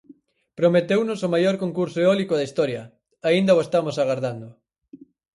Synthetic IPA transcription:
pɾomet̪ewnʊsomajoɾkoŋkuɾsoeɔlikoðɐist̪ɔɾjɐ | aind̪ɐoest̪amosaɣaɾðand̪ʊ

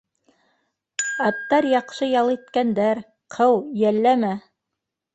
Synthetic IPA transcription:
ɑt̪ːɑɾjɑqʃɤjɑlˠit̪kænd̪æɾ | qʰɤwjælːæmæ

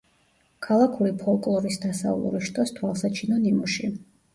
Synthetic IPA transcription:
kʰalˠakʰuɾipʰɔlˠkʼlˠɔɾisd̪asa̰vlˠṵɾiʃt̪ʼɔst̪ʰwalˠsat͡ʃʰinɔnimuʃi

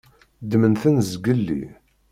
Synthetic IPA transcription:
d̪mənθənzɡəlːḭ

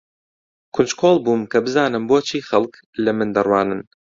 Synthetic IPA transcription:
kʰʊnt͡ʃkʰoːlˠbuːmkʰɐbɨzaːnɨmboːt͡ʃʰiːxɐlˠk | lɐmɨnd̪ɐrwaːnɨn

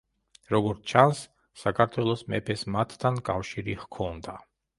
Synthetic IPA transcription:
ɾɔɡɔɾt̪t͡ʃʰansː | akʰaɾt̪ʰwɛlˠɔsmɛ̰pʰɛsmat̪ʰːankʼafʃiɾiʁkʰɔnd̪a

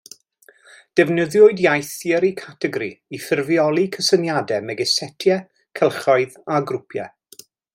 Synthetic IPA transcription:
d̥ɛvnəðjʊɨdjajθjɛɾikʰatʰɛɡɾiifɪrvjɔlˠikʰəsənjadɛmɛɡɛsɛtʰjɛ | kʰɛlˠχɔɨðaɡrʊpʰjɛ̰

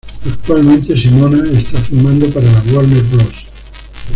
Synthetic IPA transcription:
ak̚t̪ualmẽnt̪esimonaest̪afumãnd̪opaɾalaɣwalneɾbɾos

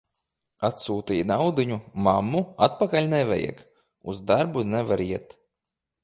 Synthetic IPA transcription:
at̪suːt̪ijnawd̪ɨɲumamːuat̪̚pakalʲnɛvʲɛ̰jɛ̰k | uzd̪aɾbunɛvaɾiɛt̪

